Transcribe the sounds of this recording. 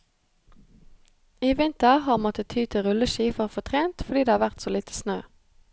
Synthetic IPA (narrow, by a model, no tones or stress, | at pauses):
iːʋɪnt̪əʁhɑːʁmɔt̪ət̪ʰyːt̪ʰɪʁʉləʃiːfəʁfɔːt̪ʰʁeːnt̪fɔʁd̪iːd̪eːhɑːʋæʁt̪soːliːt̪ʰə̥snøː